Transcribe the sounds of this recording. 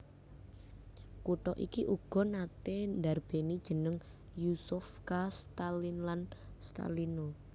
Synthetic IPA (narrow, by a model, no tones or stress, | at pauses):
kuʈɔʔikiʔuɡ̥ɔ̤nat̪end̪arb̥enid̥ʒ̥ə̤nəŋ | jusʊfkast̪alinlanst̪a̰lino